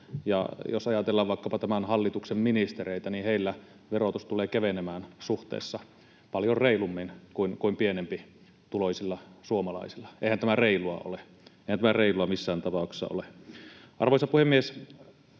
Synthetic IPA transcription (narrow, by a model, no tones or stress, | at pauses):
jɑ̰jo̰sɑjɑt̪elːɑːʋʋɑˑikːɑpɑt̪æmænhɑlːit̪uksemminist̪ereit̪æniheilːæ | ʋerot̪ust̪uleːkæʋenemæːnsuht̪ḛːsːɑ | pɑljorreilumːinkuinkuimpienempi | t̪uloisilːɑsuomɑlɑ̰isilːɑ̥ʔḛˑihænt̪æmæreiluɑ̰o̰le | eihænt̪æmæreiluɑmisːæːnt̪ɑpɑˑukse̥sːɑ̰o̰leʔɑ̰rʋoisɑpuhemːies